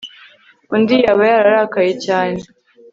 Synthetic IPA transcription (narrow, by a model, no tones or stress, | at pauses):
undijaβajaɾaɾakajecaːne